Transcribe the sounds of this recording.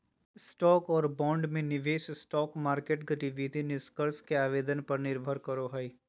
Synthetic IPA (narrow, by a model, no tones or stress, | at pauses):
sʈɔːkɔːɾbɔ̃ːɳɖmẽnɪʋeːʃsʈɔːkmaːɾkeːʈɡʱɐʈiʋit̪inɪskəɾskeaːʋeːd̪ənpɐɾnɪɾbʱəɾkɐɾoɦɐi